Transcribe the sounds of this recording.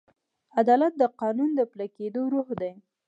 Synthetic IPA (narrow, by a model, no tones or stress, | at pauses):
ad̪ɑlat̪̚d̪əqɑnund̪əpləked̪oɾuɦd̪aj